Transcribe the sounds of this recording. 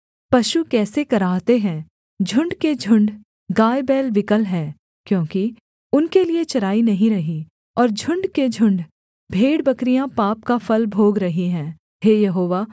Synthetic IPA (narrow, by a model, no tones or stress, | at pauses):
pɐʃukɛːsekɐɾaːt̪eɦɛ̃ː | d͡ʒʱʊ̃ɳɖked͡ʒʱʊ̃ɳɖ | ɡaːebɛːlʋɪkəlɦɛ̃ː | kjõːki | ʊnkeliet͡ʃɐɾaːinɐɦĩɾɐɦi | ɔːɾd͡ʒʱʊ̃ɳɖked͡ʒʱʊ̃ɳɖ | bʱeːɽbɐkɾijãpaːp̚kafʰɐlbʱoːɡɾɐɦiɦɛ̃ː | ɦeːjɐɦoːʋaː